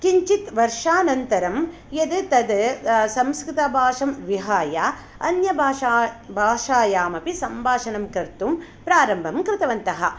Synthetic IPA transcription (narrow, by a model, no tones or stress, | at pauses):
kiɲt͡ʃit̪ʋɐɾʂaːnɐnt̪ɐɾɐm | jɐd̪t̪ɐd̪sɐmskɾɪt̪ɐbʱaːʂɐmʋiɦaːjaː | ɐ̰njɐbʱaːʃaːbʱaːʂaːjaːmɐpisɐmbʱaːʂɐnɐmkɐɾt̪umpɾaːɾɐmbʱɐmkɾɪt̪ɐʋɐnt̪ɐɦɐ̰̆